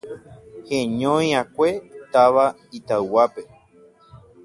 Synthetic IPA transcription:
hẽɲõj̃ãkʷe̞t̪aʋa | it̪awwape

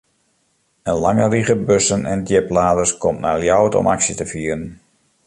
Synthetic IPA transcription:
ənlaŋəriɣəbøsənɛndjɪplaːdərskʰɔmtna̰ljɔwətɔ̰maksitəfiːəɾən

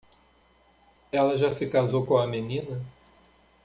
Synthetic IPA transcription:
ɛlɐʒasɪkazowkõɐmenĩnɐ

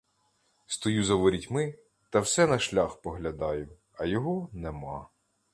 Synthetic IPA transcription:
st̪ɔjuzɐʋɔɾʲitʲmɪ | t̪ɐwsɛnɐʃlʲaxpɔɦlʲɐd̪ɑjʊ | ɐjɔɦɔnɛmɑ

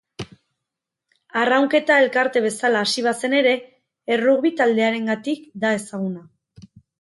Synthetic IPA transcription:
arawŋke̞t̪ae̞lkaɾt̪e̞β̞e̞salaːsiβ̞ase̞ne̞ɾe̞ː | ruɣβit̪ald̪e̞aɾe̞ŋɡat̪ikd̪ae̞saɣ̞una

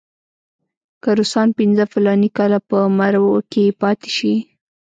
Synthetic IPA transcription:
kəɾusɑnpɪnzəfɪlɑnikɑlapəmaɾwokepɑt̪e̥ʃi

